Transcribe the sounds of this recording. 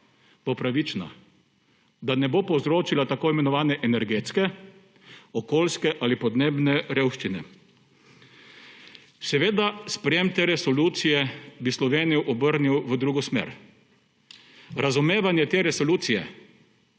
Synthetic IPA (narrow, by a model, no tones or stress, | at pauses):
bopɾaʋit͡ʃna̰ | d̪anɛbopɔwzɾoːt͡ʃilat̪akoːimɛnɔʋaːnɛʔɛnɛɾɡeːt̪skɛ | ɔkoːlskɛʔalipɔd̪neːbnɛɾeːwʃt͡ʃinɛ | sɛʋeːd̪aspɾɛjemt̪eːɾɛsɔluːt̪sijɛbislɔʋeːnijuʔɔbəɾniwʋəd̪ɾuːɡɔsmḛɾ | ɾazumeːʋanjɛt̪eːɾɛsɔluːt̪sijɛ̰